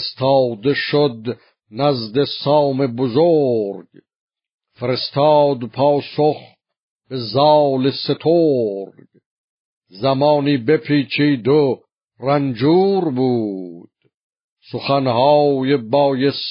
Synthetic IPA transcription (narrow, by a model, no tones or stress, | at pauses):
st̪ʰɑːd̪eʃod̪ | næzd̪esɑːmebozoɾɡ | feɾest̪ʰɑːd̪pʰɑːsoχ | b̥e̞zɑːleset̪ʰoɾɡ | zæmɑːniːbepʰiːt͡ʃʰiːd̪o | rænd͡ʒuːɾbuːd̪̥ | soχænhɑːjebɑːjes